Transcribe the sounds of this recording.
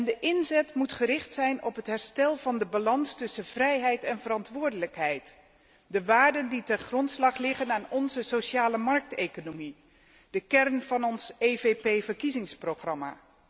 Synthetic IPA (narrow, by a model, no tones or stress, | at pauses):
ndəʔɪnzɛtmutχərɪχtsɛjnɔ̰pɦətɦɛɹstɛlˠvɑndəbalɑnstɵsənvrɛjɦɛjtɛnvəɾɑntʋʊːɹdələkɦɛjt | dəʋaːɹdənditɛnχrɔntslɑχlɪχənaːnɔnzəsoʃaːləmɑɹk̚tejkonomi | d̥əkɛɹnv̥ɑnɔnsejvepejvəɹkizɪŋsprowχrɑma̰ː